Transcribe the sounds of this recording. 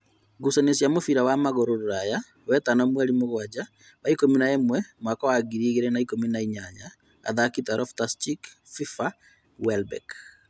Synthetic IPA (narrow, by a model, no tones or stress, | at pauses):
ɡusanesjamofiɾawamaɣoɾoɾoɾaja | wɛtanɔmwɛaɾimoɣwad͡ʒa | βaikominaemwɛmakɔwaɡiɾiɣeɾɛnaikominaiɲaɲa | a̰ðakitaɾʔɔftastik | fifa | wɛlbɛ̰k